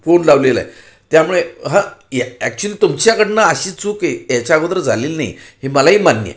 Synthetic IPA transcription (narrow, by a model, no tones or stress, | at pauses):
fonlaʋlela̰ḛ | t̪jamuɭeɦãjæk̚t͡ɕuəliːt̪umt͡ɕjakəɽnaəɕiːt͡sukejat͡ɕaɡəd̪ɾəd͡zʱaliːlnaḭhiməlaɦiːmanjə̰